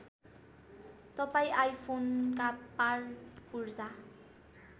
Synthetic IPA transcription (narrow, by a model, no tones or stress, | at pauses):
t̪ʌpaĩajpʰonkaparpurd͡za